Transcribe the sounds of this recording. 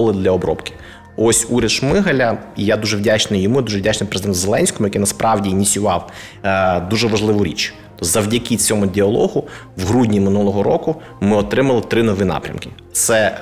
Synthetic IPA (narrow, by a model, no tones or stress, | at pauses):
lˠɪd̪lʲɐɔbɾɔ̰pkɪ̥ | ɔsʲuɾʲɐd̪ʃmɪɦɐlʲɐijad̪uʒɛwdʲat͡ʃnɪjɔmujd̪uʒɛʋdʲat͡ʃnɪjpɾezd̪ɛnt̪ʊzelˠɛnʲsʲkɔmʊjɐkijnɐspɾʔɑwdʲinʲisʲʊʋɑw | d̪uʒɛʋɐʒlˠɪʋʊɾʲḭt͡ʃ | t̪ɔzɐwdʲɐkʲit͡sʲɔmʊdʲiɐlˠɔɦʊ | ʋɦɾudʲnʲimɪnulˠɔɦɔɾɔkʊ | mɪɔt̪ɾɪmɐlˠɪt̪ɾɪnɔʋinɑ̰pɾʲɐ̰mkɪ | t̪sɛ